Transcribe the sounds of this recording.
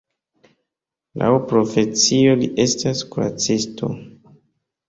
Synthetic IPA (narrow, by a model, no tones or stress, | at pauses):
lʔa̰wpɾo̞fe̞t͡sio̞liʔe̞staskuɾa̰t͡sisto̞̰